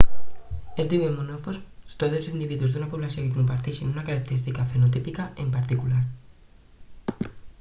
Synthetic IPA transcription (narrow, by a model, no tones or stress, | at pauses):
ezd̪iwemːonofosst̪ozelsind̪iβiðuzd̪unapuβlasjokekumpaɾt̪eʃinunakaɾak̚t̪eɾist̪ikafenot̪ipikaʔempaɾt̪ikulaɾ